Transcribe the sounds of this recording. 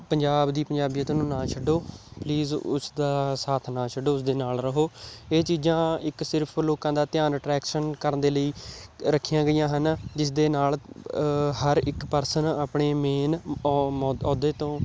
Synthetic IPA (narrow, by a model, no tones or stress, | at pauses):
pəɲd͡ʒaːbd̪iːpəɲd͡ʒaːbijãːt̪õːnũːnãːt͡ʃʰəɖoːpliːzʊ̰sd̪aːsaːt̪ʰnãːt͡ʃʰəɖoːʊsd̪eːnaːlɾəɦoːeːt͡ʃiːd͡ʒãːɪksɪɾpʰloːkãːd̪aːt̪ɪjaːnəʈɾɛːkʃənkəɾnd̪eːləiːɾəkʰːijãːɡəijãːɦənd͡ʒɪs̬d̪eːnaːl | ɦəɾɪkpəɾsənaːpɳeːmeːnmɔɔːd̪eːt̪õː